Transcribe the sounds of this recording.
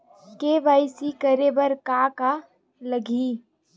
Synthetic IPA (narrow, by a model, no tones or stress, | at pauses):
keːʋaːɪsikəɾebəɾkaːka | ləɡʱiː